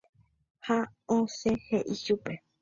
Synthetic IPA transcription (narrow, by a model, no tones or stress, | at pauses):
haõsẽheʔiʃupe